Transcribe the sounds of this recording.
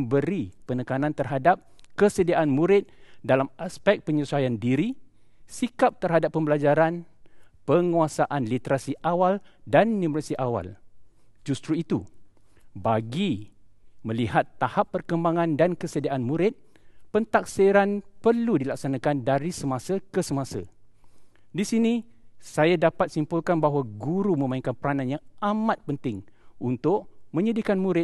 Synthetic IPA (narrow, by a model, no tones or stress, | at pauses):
bəɾipənəkanãnt̪ərɦadap̚kəsədiaʔanmũɾɪt̪̚dalamaspɛk̚pəɲusajandiɾi | sikap̚t̪ərɦadapːəmbəlad͡ʒaɾan | pəŋuasaʔanlit̪əɾasiʔawaldanːĩmɾasiʔawa̰l | d͡ʒust̪ɾuit̪u | baɡi | mə̃lihat̪ːahapːərkəmbaŋãndankəsədiaʔanmũɾɪt̪̚ | pənt̪ak̚siɾanpərludilak̚sanakandaɾisəmãsakəsəmasa̰ | disinisajadapat̪̚simpulkanbaɦwaɡuɾumə̃mãĩŋkanpəɾananjaŋamãt̪̚pənt̪ɪŋunt̪ʊʔmə̃ɲədikanmũɾɪ